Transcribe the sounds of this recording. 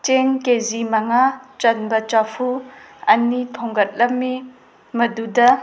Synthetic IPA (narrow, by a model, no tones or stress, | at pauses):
t͡ʃeŋkezimɐŋat͡ʃɐnbɐt͡ʃapʰu | ɐnitʰoŋɡɐt̚lɐmːi | mɐdudɐ